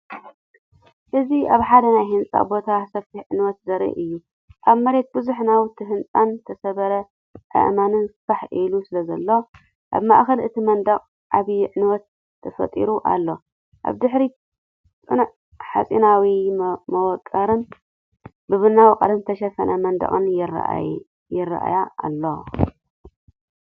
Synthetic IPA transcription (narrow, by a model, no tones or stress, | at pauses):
ʔɨziʔaβħad̪ɐnajhɨnt͡sʼa̰bo̞t̪ʰasɐffʰiʕɨnwɔt̪zɐɾḭʔɨjːu | ʔaβmɐɾe̞t̪̚bɨzuħnawt̪ʰɨɦɨnt͡sʼant̪ʰɐsɐβɐɾɐ | ʕɨ̰ʔmanɨnsɨ̥faħilusɨlɐzɐlːo | ʔa̰βma̰ʔxɐlʔɨt̪ʰimɐnd̪ɐkʼ | ʔaβiʕɨnwɔt̪ʰː | ɐfɐ̰t̪ʼḭɾuʔa̰lːo̞ | ʔa̰βd̪ɨħɾi | ɨn | ħat͡sʼinawimɐwɔkʼːɐɾɨn | bɨβɨnawqʼɐlɐmt̪ʰɐʃɐfɐnʔɐmɐnd̪ɐ̰χʼɨnjɪr̰ | jɪrːɐ̰ʔa̰ja̰ːlːo